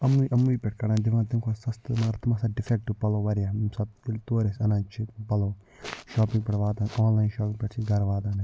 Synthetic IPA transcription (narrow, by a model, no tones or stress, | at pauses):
ɐmuiʔɐmuiːpʲɛʈʰkɐɽaːnd̪ɪʋãːt̪ɪmkʰoːsɐst̪ɨmɐɡɐɾt̪ʰɐmasaːɖɪfek̚ʈːupɐloːʋɐɾjaːsɐt̪oːɾesɐnãːnt͡ʃʰipɐloː | ʃɔːpɪ̃ŋɡpɛʈʋaːd̪aːnʔɔːnlaːjnʃɔːpɪ̃ŋpɛʈt͡ʃʰiɡɐɾʋaːt̪aːne